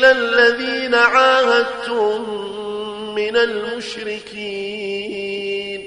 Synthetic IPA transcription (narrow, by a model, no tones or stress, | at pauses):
lalːaðiːnaʕaːhad̪̚t̪ʊ | ɪnalmʊʃɾɪkiː | n